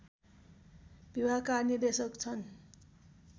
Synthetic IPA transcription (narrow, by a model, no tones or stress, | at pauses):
bibʱakarnird̪esʌkt͡sʰʌn